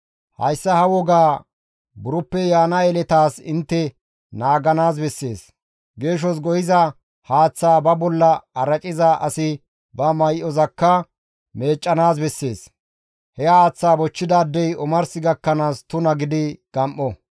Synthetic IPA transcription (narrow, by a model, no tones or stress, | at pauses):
hɐ̰jsːɐhɐwɔɡaː | bʊɾʊpːɛjaːnɐɛlɛt̪aːsɪ̰nt̪ːɛ | naːɡɐnaːsbɛsːe̞ːs | ɡe̞ːʃ̬ɔs̬ɡɔjɪzɐ | haːt͡sːaːbɐbɔlːɐɐɾɐt͡ʃʼɪzɐʔɐsɪ | bɐmɐjʔɔzɐkːɐ | me̞ːt͡ʃʼːɐnaːs̬bɛsːe̞ːs | hɛaːt͡sːaːbɔt͡ʃːɪd̪aːd̪ːɛjɔmɐɾsɪɡɐkːɐnaːst̪ʊnɐɡɪd̪ɪɡ̥ɐmʔːɔ